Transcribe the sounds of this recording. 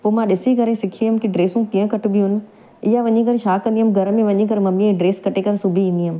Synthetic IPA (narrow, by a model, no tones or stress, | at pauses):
poːmãɗɪsikɐɾẽsɪkʰiɦəmkiɖɾeːsũkiːə̃kɐʈʊ̆biɦʊnɪ̆ | ɪjaʋɐɲĩkɐɾʃaːkɐ̃nd̪iɦəmɡʱɐɾmẽʋɐɲĩkɐɾmɐmiɛ̃ɖɾeːskɐʈekɐɾsʊbʱiĩːnd̪iɦəm̆